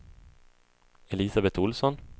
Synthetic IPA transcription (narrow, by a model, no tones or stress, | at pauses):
ɛlisabɛt̪ʊlsɔn